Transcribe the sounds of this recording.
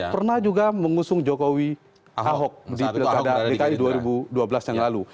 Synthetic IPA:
pərnahd͡ʒuɡaməŋusʊŋd͡ʒokowi | aɦɔk̚dipilkadadekaiduaɾibuduabəlasjaŋlalu

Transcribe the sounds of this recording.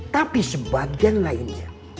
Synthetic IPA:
t̪apisəbaɡianlainɲa

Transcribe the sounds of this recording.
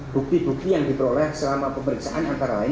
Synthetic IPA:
b̥uk̚t̪ibuk̚t̪ijaŋdipɾolɛhsəlamapəməɾiksaʔanant̪aɾalaɪn

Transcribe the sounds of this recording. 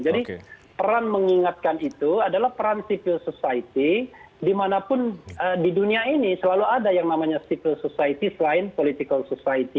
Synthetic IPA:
d͡ʒadipəɾanməŋiŋat̪̚kanit̪uadalahpəɾansipɪlsosait̪i | dimanapʊnədiduniainisəlaluadajaŋnamaɲasipɪlsosait̪isəlaɪnpolit̪ikəlsosait̪i

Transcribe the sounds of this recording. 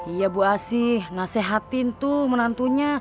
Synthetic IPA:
ijabuasihnaseɦat̪int̪umənant̪uɲa

